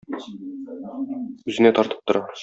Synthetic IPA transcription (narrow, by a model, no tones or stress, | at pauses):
ʉzɘ̆net̪ʰɒɾt̪ɤ̥p̚t̪ŏɾɑ